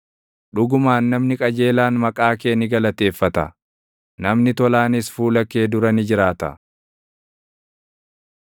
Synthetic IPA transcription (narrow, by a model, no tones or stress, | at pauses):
ᶑʊɡʊmaːnːɐmnɪkʼɐd͡ʒe̞ːlaːnmɐkʼaːke̞ːnɪɡɐlɐt̪e̞ːfːɐt̪ɐ̰ | nɐmnɪt̪ɔlaːnɪsfuːlɐkːe̞ːd̪ʊɾɐnɪd͡ʒɪɾaːt̪ɐ̰